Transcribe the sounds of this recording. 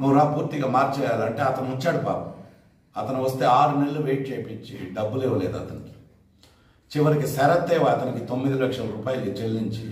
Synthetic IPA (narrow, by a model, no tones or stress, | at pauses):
nuʋɾaːpuːɾt̪iɡaːmaːɾt͡ʃɛːjaːlɐɳʈe̞ːɐt̪ɐnut͡ʃːaːɽupa̰ː | ɐt̪ɐnuʋɐst̪e̞ːaːɾuneɭːuʋejʈ̚t͡ʃejpit͡ʃːiɖɐbːulɛːʋɐleːd̪uɐ̰t̪ɐn | t͡ʃiʋɐɾikisɛɾɐt̪ːɛːʋɐɐt̪ɐnikit̪o̞mːid̪ilɐkʂɐlɐɾuːpaːjɐlukit͡ʃelːiɲt͡ʃi